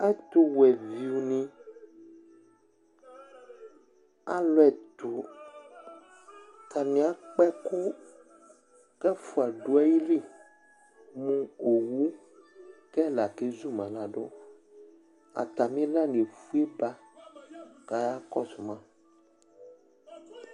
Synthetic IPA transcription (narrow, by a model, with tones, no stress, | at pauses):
a˦t̪o˦wɛ˨vi˨u˨nĩ˦ | a̰˦lɔ˦ɛ˨t̪o˨ | t̪ʰa˨mĩ˨˦a˨k͡pɛ˦ko˦ | kɛ˦fu˨a˨ɖo˦a˦ji˦li˦ | mũ˦o˨wu˦ | kɛ˦la˨ke˦zu˦mã˨la˨ɖo̰˦ | a̰˨t̪a˨mĩ˦la˦n˨e˨fu˦e˦ba˦ | ka˨ja˦kɔ˦su˨mã˦